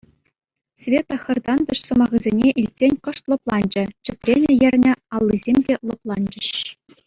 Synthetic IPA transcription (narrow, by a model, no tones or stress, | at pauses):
sʲvʲet̪ɤ̆xɤ̆rd̪ɑnd̪ɤ̆ʂsɤ̆mɑʁɯzʲenʲeʔilʲtʲːenʲkɤ̆ʂt̪lˠɤ̆plˠɑnʲd͡ʑɘ̆t͡ɕɘ̆t̪ʲrʲenʲɘ̆jɘ̆rʲnʲɘ̆ɑlˠːizʲemʲdʲelˠŏplˠɑnʲd͡ʑɘ̆ɕ